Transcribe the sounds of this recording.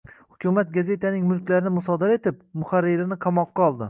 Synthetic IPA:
hʊ̥kʲʰʊmat̪̚ɡaze̞t̪ʰanɪŋmʊlˠkʲlaɾɪnɪmʊsɒd̪aɾae̞t̪ɪp̚mʊχaɾːɪɾɪnɪqʰamɒqːɑɒlˠd̪ɪ

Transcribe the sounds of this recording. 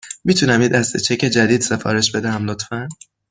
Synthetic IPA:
mit̪ʰunæmid̪æst̪e̞t͡ʃʰecʰe̞d͡ʒæd̪iːd̪se̞fɒ̰ːɾe̞ʃbe̞d̪ææmlot̪fæn

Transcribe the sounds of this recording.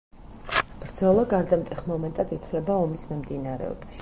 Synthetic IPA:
b̥ɾd̪zɔlˠaɡaɾd̪amt̪ʼiχmɔmɛnt̪ʼad̪it̪ʰvlɛbaɔmismɛmd̪inaɾɛ̰ɔ̰baʃi̥

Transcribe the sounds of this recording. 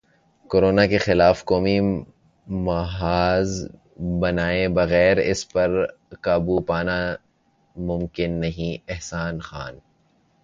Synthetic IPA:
koːɾoːnakexɪlaːfkɔːmi | mɐɦaːz | bɐnaːẽbɐɣɛːɾɪ̰spɐɾ | kaːbupaːna | mʊ̃mkɪnːɐɦĩɛɦsaːnxa̰ːn

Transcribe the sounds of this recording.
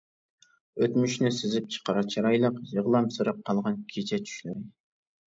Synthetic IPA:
øt̪myʃnɛsɪzɪp̚t͡ʃʰə̥qɑɾɑt͡ʃʰɑɾɑjlˠəqjɨʁlˠɑmsɨɾɑp̚qʰːɑlˠʁɑnkʲʰet͡ʃʰɛt͡ʃ̪ʰy̥ʃlyɾɪ

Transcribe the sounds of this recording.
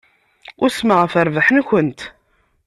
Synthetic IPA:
ʊɾsməʁəfəɾvaħənçənt̪

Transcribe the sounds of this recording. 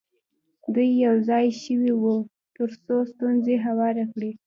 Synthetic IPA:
d̪ujːawzɑjʃəwiwu | t̪əɾsost̪unzeɦawɑɾakɽi

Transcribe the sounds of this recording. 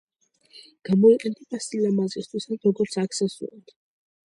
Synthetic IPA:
ɡ̥amɔiqʼɛnt̪ʼipasilamazist̪ʰwisasɾɔɡɔɾt̪sʰakt̪sʰɛsṵɾa̰d̪̥

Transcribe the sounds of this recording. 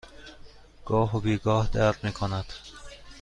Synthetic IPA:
ɡ̥ɒːɦobiːɡɒːhd̪æɾmiːkʰonæd̪̥

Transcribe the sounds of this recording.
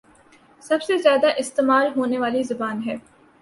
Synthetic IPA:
sɐbsezjaːd̪aʔɪst̪eːmaːlɦoːneʋaːlizɐbaːnɦɛː

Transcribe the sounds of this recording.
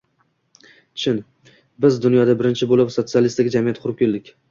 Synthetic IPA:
t͡ʃʰɪn | bɪzd̪ʊnjɒd̪abɪɾɪnt͡ʃʰɪbolˠɪpsot̪sɨalˠist̪aɡʲad͡ʒamijat̪qʰʊɾɪp̚kʲʰeld̪ɪkʲ

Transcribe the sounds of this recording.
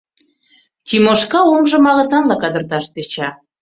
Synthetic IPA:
t̪ʲimoʃkɑomʒɤ̆mɑɣɤ̆t̪ɑnlɑkɑd̪ə̆rt̪ɑʃt̪et͡ɕɑ

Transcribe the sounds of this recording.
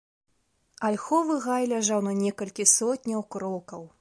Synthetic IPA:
alʲxɔvɨɣajlʲaʐawnɐnʲɛkɐlʲkʲisɔtʲnʲɐwkɾɔkɐw

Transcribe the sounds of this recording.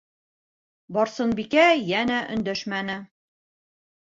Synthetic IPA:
bɒɾsɤnbikæjænæʔɵ̰̆nd̪æʃmænɘ

